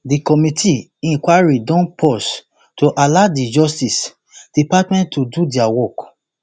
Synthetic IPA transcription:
dikɔmitʰi | ɛ̃ŋkwaɹidɔ̃npʰɔs | toʔaladid͡ʒɔstis | d̥ipatmɛ̃ntːodudiawɔk

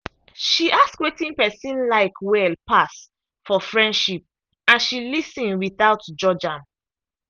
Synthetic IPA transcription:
ʃiʔaskwetĩnpɛsĩnlaɪkʰwɛlpas | fɔfɹɛ̃ndʃip̚ | ãnʃilisĩnwiθaʊtd͡ʒɔd͡ʒãm

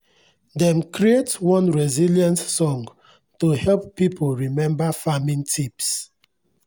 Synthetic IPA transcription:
dɛ̃mkʰɹietwɔ̃nɹɛziljãntsɔ̃ŋ | tohɛlppipʰolɹimɛ̃mbafamĩntʰips

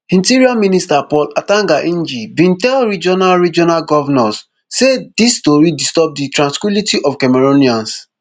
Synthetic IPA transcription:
ĩntiɾiaministapɔlatãŋɡaʔĩnd͡ʒibĩntɛlɹid͡ʒɔnalɹid͡ʒɔnalɡɔvɛnɔsː | edistoɾidistɔp̚ditɹãnskwilitiʔɔfkɛmeɾoniãns

